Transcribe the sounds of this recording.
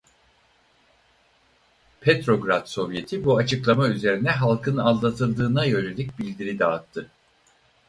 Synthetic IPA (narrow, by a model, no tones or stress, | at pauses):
pʰet̪ɾo̞ɡɾad̪so̞vje̞t̪ʰibuat͡ʃʰɯklˠamayze̞ɾinɛɦalˠkʰɯnalˠlːˠat̪ʰɯlˠd̪ɯːnajø̞ɾelʲic̚bilʲd̪iɾid̪aːt̪ʰːɯ